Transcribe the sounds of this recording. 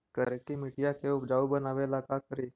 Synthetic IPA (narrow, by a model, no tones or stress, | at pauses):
kəɾekimiʈijakʰeupd͡ʒaubənaʋelakakəɾi